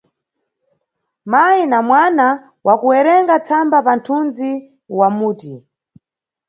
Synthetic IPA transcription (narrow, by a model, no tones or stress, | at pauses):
mainamwana | wakuɛɾɛŋɡat͡sʰambapantʰund͡zi | wamuːti